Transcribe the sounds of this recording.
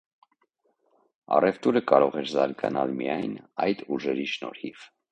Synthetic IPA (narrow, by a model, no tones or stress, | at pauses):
ɑ̰rɛvt̪uɾəkɑɾɔʁɛɾzɑɾɡɑnɑlmijɑjnɑjd̪uʒɛɾiʃnɔ̰ɾhiv